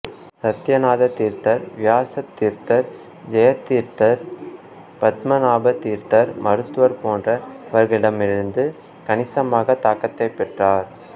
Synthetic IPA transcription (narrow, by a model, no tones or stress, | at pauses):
sɐt̪jɐnaːðɐt̪iːɾt̪ɐɾʋɪjaːsɐt̪ːiːɾt̪ɐɾ | d͡ʒɐjɐt̪ːiːɾt̪ɐɾ | pɐt̪mɐnaːbɐt̪ːiːɾt̪ɐɾmɐɾɯt̪ːɯʋɐɾpoːndrɐɪʋɐɾɣɪɽɐmɪɾɯnd̪ɯ | kɐɳɪsɐmaːɣɐt̪aːkɐt̪ːɐɪpːɛʈraːɾ